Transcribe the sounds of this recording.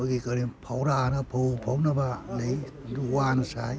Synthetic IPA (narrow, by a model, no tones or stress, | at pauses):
aɡikaɾipʰawɾanapʰowpʰawnabalej | duwansaj